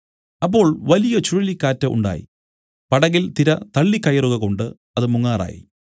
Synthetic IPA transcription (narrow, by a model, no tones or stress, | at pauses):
ɐpːo̞ːɭʋɐlijɐt͡ɕuɻilikːaːtːɐʔṵɳɖa̰ːjḭ | pɐɽɐɣilt̪iɾɐt̪ɐɭːikːɐjɐruɣɐko̞ɳɖɨ | ɐðɨmuŋːaːra̰ːjḭ